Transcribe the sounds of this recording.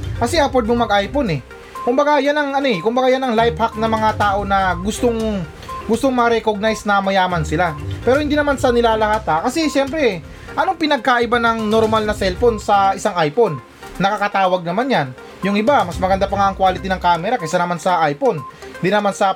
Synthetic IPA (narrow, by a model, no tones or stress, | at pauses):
kɐsɛʔapod̪moŋmɐɡʔajpo̞nɛ | kʊmbɐɡajanɐŋʔɐnoɛkʊmbɐɡajanɐŋlajphak̚nɐmɐŋat̪aːʔo̞nɐɡʊst̪oŋ | ɡʊst̪oŋmɐɾɛkoɡ̚najsnɐmɐjaːmɐnsɪlapɛːɾohɪnd̪iːnɐmansɐnɪlaːlɐhaːt̪ɐkɐsɛʃɛmpɾɛ | ʔɐno̞ŋpɪnɐɡ̚kaʔɪbanɐŋnoɾmalnɐsɛlfo̞nsɐɪsaŋʔajpo̞nː | ɐkakɐt̪aːwɐɡ̚nɐmanjan | jʊŋʔɪbamɐsmɐɡɐnd̪apɐŋaʔːŋkwaːlɪt̪inɐŋkaːmɛɾakɐjsanɐmansɐʔajpo̞nɪnd̪inɐmansɐ